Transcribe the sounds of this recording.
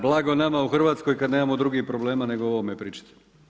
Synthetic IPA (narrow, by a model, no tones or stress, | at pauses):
blˠaɡo̞namauxr̩ʋaːt̪sko̞jkad̪ne̞ːmamo̞d̪ɾuɡipɾo̞bleːmane̞ɡooʋomepɾiːt͡ʃi̥t̪e̥